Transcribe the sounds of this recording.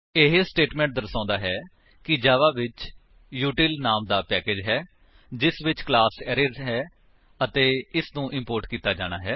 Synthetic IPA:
ɪɦsʈeːʈmɛ̃ːɳʈ̚d̪əɾsãːnd̪aːɦɛː | kɪd͡ʒaːʋaːʋɪt͡ʃ | juːʈiːlnaːmd̪aːpɛːkeːd͡ʒɦɛː | d͡ʒɪsʋɪt͡ʃklaːsɛːɾəɾɦɛː | ət̪eːɪsnũːʔɪmpoːɾʈkiːt̪aːd͡ʒaːɽ̃aːɦɛː

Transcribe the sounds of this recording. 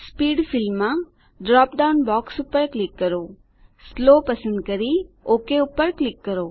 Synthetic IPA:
spiːɖfʰɪlmːã | ɖɾɔːpɖaʊnbɔːksʊpəɾklɪkːəɾo | sloːpɐsə̃nd̪kəɾioːkeʊpəɾklɪkːəɾoː

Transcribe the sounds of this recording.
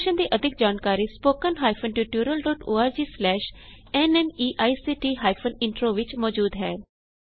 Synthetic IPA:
ʃənd̪iːʔəd̪ʱɪk̚d͡ʒaːnkaːɾiːspoːkənɦaːjpʰənʈuːʈjuːɾəlɖɔːʈoːaːɾd͡ʒiːslɛːʃɛnɛmiːʔaːisiːʈiːɦaːjpʰənɪɳʈɾoːʋɪt͡ʃmɔːd͡ʒuːd̪ɦɛː

